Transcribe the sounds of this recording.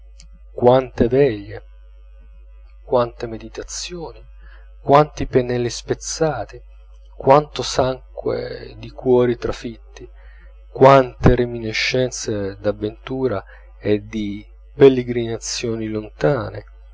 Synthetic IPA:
kwant̪evɛʎːe | kwant̪emed̪it̪at̪sjoːni | kwant̪ipenɛlːispet̪sːaːt̪i | kwant̪osaŋkwḛd̪ikwɔːɾit̪ɾafit̪ːi | kwant̪eɾemineʃːɛnt̪sed̪avːent̪uːɾa | ed̪i | pelːeɡɾinat̪sːjoːnilont̪aːne

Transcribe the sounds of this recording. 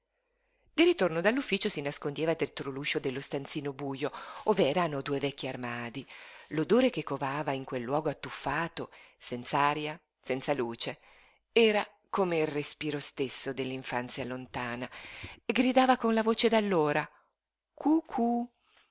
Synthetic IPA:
d̪irit̪ornod̪alːufːiːt͡ʃosinaskond̪jɛːvad̪ɛt̪ɾoluːʃod̪elːost̪ant̪siːnobuːjooːvɛːɾanod̪uːevɛkʲːiarmaːd̪ilod̪oːɾekekːovaːvaiŋkwelːwɔːɡoat̪ːufːaːt̪osɛnt̪saaːɾja | sɛnt̪saluːt͡ʃe | ɛːɾa | komeilrespiːɾost̪esːod̪elːiɱfant̪sjalont̪aːnaeɡɾid̪aːvakonlavoːt͡ʃed̪alːoːɾa | kukʰu

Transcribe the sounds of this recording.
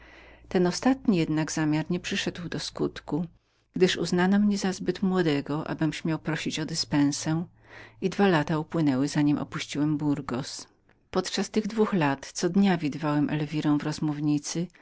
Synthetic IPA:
t̪ɛnɔst̪at̪ɲijɛd̪naɡzamʲjaɾɲɛpʂɘʂɛd̪wd̪ɔskut̪ku | ɡ̥d̪ɘʂṵznanɔmɲɛzazbɘt̪mwɔd̪ɛɡɔʔa̰bɘmɕmʲjawpɾɔɕit͡ɕɔd̪ɘspɛ̃w̃sɛ | id̪valat̪aupwɘnɛwɘzaɲimʔɔ̰puɕt͡ɕiwɛmbuɾɡɔs | pɔt̪t͡ʂast̪ɘɣd̪vuxlat̪t̪sɔd̪ɲavʲid̪ɘvawɛmʔɛ̰lvʲiɾɔ̃w̃vɾɔzmuvɲit̪sɘ

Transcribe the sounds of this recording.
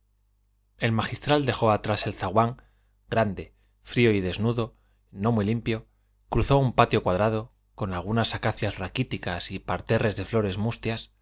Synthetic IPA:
e̞lmaχist̪ɾald̪e̞xo̞at̪ɾase̞lθaɣwaŋ | ɡ̥ɾand̪e̞ | fɾio̞iðe̞znuðo̞ | no̞mwilimpjo̞ | kɾuθo̞umpat̪jo̞kwaðɾað̞o̞ | ko̞nalɣ̞unasakaθjazrakit̪ikasipaɾt̪e̞re̞zðe̞flo̞ɾe̞zmust̪jas

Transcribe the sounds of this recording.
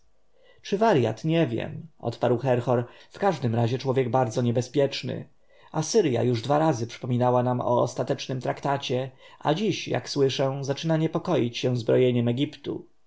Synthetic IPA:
t͡ʂɘvaɾja̰t̪ɲɛvʲjɛ̰mʔɔ̰t̪paɾwxɛɾxɔɾfkaʐd̪ɘmɾaʑɛt͡ʂwɔvʲjɛɡ̚baɾd̪zɔɲɛbɛspʲjɛt͡ʂnɘ̰ | asɘɾja̰juʐd̪vaɾazɘpʂɘ̥pɔmʲinawanamɔ̰ːst̪at̪ɛt͡ʂnɘmt̪ɾakt̪at͡ɕɛʔa̰d͡ʑiɕja̰kswɘʂɛ̃zat͡ʂɘnaɲɛpɔkɔjit͡ɕɕɛ̃zbɾɔjeɲɛmɛɡʲipt̪ṵ

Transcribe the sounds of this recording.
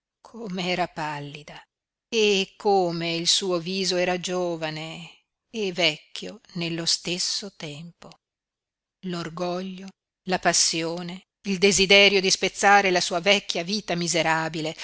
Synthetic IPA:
kʰomeɛːɾapalːid̪a | ekʰːoːmeilsuːoviːzoɛːɾad͡ʒoːvane | evɛkːjonelːost̪esːot̪ɛmpo | lorɡɔʎːo | lapasːjoːne | ild̪ezid̪ɛɾjod̪ispet̪sːaːɾelasuːavɛkːjaviːt̪amizeɾaːbile

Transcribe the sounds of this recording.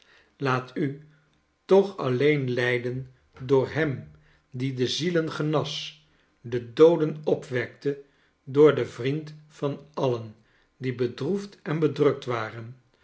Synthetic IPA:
laːty | tɔχɑ̰lejnlɛjdən | dʊːɹɦɛm | didəzilənχənɑs | dədowdənɔpʋɛk̚tə | dʊːɹdəvrintfɑnɑlən | dibədruftɛnbədrɵk̚tʋaːrən

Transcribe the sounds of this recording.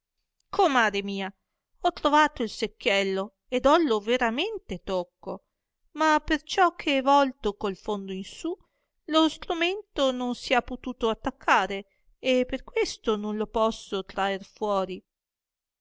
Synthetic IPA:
kʰomːaːɾemiːa | ɔt̪ːɾovaːt̪oilsekːjɛlːo | ed̪ɔloveɾament̪et̪okːo | mapert͡ʃɔk̟ʰːeɛvɔlt̪okolfond̪oinsu | lost̪ɾument̪ononsiapːot̪uːt̪oat̪ːakʰːaːɾe | epːerkwest̪ononlopɔsːot̪ɾaerfwɔːɾi

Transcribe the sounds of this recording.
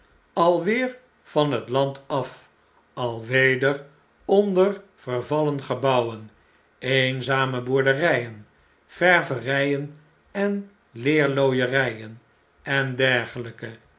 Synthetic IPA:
ɑlˠʋɪːɹ | fɑnɦətlɑntɑf | ɑlˠʋejdəɹ | ɔndərv̥əɹvɑlənχəbʌwən | ejnzaːməbʊɹdərɛjən | fɛɹvərɛjən | ɛn | lɪːɹlojərɛjən | ɛndɛɹχələkə

